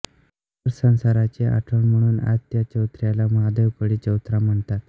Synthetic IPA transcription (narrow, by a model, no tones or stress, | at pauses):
əɾsə̃ñsaɾat͡ɕeʔa̰ʈʰəɳm̤əɽ̃uːna̰d͡zt̪jat͡ɕəwt̪ɾjalamad̪əʋkəɽit͡ɕəwt̪ɾam̤əɳt̪at̪